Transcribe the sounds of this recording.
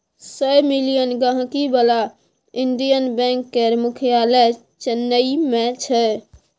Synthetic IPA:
səjmilijənɡaɦkibala | iɳɖijənbɛ̃ŋkːeɾmukʰijalə | t͡ʃənːəimet͡ʃʰɛ

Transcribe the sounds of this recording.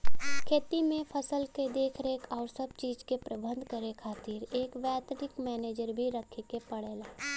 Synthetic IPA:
kʰeːt̪imẽpʰəsəlked̪eːkʰɾeːkɔːɾsəb̚t͡ʃiːd͡ʒkepɾəbə̃nd̪ʱkəɾekʰaːt̪iːɾeːkʋɛːt̪nɪkmɛːneːd͡ʒəɾbʱiɾəkʰːekepəɽeːlaː

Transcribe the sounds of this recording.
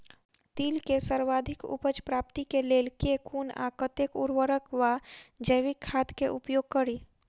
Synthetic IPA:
t̪iːlkesəɾʋaːd̪ʱɪkʊ̰pət͡ʃpɾaːpt̪ikeleːlkekʰuːna̰kət̪ekṵɾwəɾəkʋad͡ʒəjʋɪkʰːaːt̪keʔʊpjoːɡ̚kəɾiː

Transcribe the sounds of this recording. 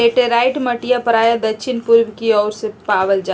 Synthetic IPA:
eʈeɾaːɪʈməʈijapəɾaːjad̪ɐkʃʰɪnpʊɾʋkiɔːɾsepaːʋəld͡ʒa

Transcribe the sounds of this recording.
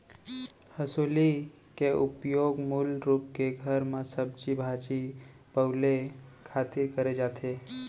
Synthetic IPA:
həsuːli | keʔupjoɡmulɾuːp̚keɡʱəɾmãsəb̚d͡ʒibʱad͡ʒi | pəlekʰaːt̪ɪɾkəɾed͡ʒaːt̪ʰe

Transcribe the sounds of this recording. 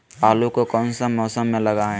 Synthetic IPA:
aːlukokɔːnsəmɔːsəmːẽləɡaːẽ

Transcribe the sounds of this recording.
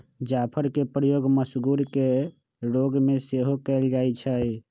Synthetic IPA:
d͡ʒapʰəɾkepɾəjoɡməsɡuɾke | ɾoɡmeseɦokɛld͡ʒajt͡ʃʰə

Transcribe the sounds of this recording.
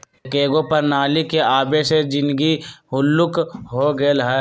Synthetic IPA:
keːɡõpɐɾnaːlikeaːbesed͡ʒɪ̃nɡiɦʊlːʊkɦoɡəlɦɛː

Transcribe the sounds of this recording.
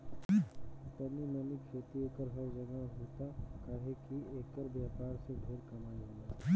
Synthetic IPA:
t̪əninənikʃʰeːt̪iekəɾɦəɾd͡ʒəɡaɦoːt̪akaːɦekieːkəɾbjaːpaːɾsẽbʱeːɾkɐmaːiɦõna

